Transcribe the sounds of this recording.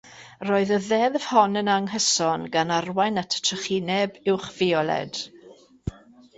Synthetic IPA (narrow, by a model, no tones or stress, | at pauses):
roːɨðəðɛðəv̥hɔnənaŋɦəsɔnɡanarwajnatʰtʰəχinɛbɪwχv̥ɪɔlˠɛ̰d̥